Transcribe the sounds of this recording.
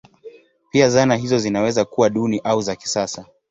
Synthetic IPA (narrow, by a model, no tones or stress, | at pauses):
piazanaɦizɔzinawɛzakuwaɗuniʔauzaki̥sasa